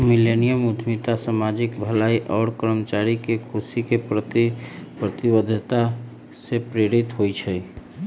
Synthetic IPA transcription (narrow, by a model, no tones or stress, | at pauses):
milenijəmud̪ʱmit̪asamad͡ʒikbʱəlaiʔɔːɽkəɾmət͡ʃaɾikekʰusikepəpɾət̪ibəd̪ʱt̪a | sepɾeɾit̪ɦojt͡ʃʰɛ